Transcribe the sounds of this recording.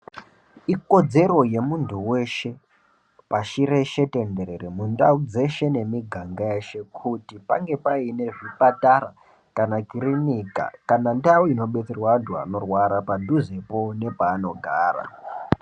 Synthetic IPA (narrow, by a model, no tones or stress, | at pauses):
iko̞d͡ze̞ɾo̞je̞muntʰuwe̞ʃe̞ | paʃiɾe̞ʃe̞te̞nde̞ɾeremundaud͡ze̞ʃe̞ne̞miɡʱaŋɡajeʃe̞kʰutipaŋɡe̞paine̞ʐipatara | kanakiɾinika̰kanandauino̞ɓe̞t͡serwandʱwa̰no̞rwaɾapadʱuze̞po̞ne̞paːno̞ɡʱaːra̰